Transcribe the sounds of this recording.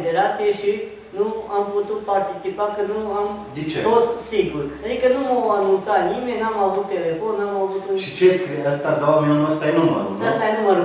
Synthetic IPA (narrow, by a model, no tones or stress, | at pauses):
d̪eɾat̪eʃi | nuamput̪ut̪̚paɾt̪it͡sipakɨnuamd̪it͡ʃet̪ot̪siɡuɾad̪ikənumoanũnsanimẽnamaʋut̪elefonamavut̪uʃit͡ʃeskɾijeəst̪ad̪owaminunuəst̪ajenumə̰nunəst̪ajenuməɾ